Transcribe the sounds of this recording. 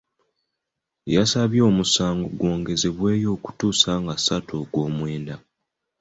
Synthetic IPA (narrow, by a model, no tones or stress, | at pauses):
ejasaβjo̞ːmusaːŋɡoɡwo̞ːŋɡe̞ze̞βwe̞ːjo̞ːku̥tuːsaŋɡasatʰoɡwo̞ːmwe̞ːnda